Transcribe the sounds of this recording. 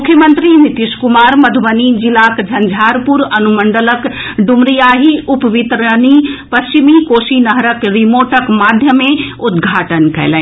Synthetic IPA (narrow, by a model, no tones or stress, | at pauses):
mʊkʰjəmə̃nt̪ɾimit̪iʃkʊmaːɾmɐd̪ʱuʋənid͡ʒilaːkd͡ʒʱɐnd͡ʒʱaːɾpuɾɐnuməɳɖələkɖumɾijaːɦiʔʊpʋit̪ɾənipɐst͡ʃimikoːsinɐɦɾəkɾimoːʈəkmaːd̪ʱjəmẽʊd̪ɡʱaːʈənkɐ̰jlɛ̃